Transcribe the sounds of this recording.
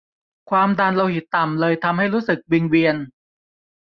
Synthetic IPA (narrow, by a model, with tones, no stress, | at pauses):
kʰwaː˧mda˧nla˧whi˨˩t̪ːa˨˩mlɤː˧jt̪ʰa˧mɦha˥˩jɾuː˦˥sɯ˨˩k̚wi˧ŋwi˧ən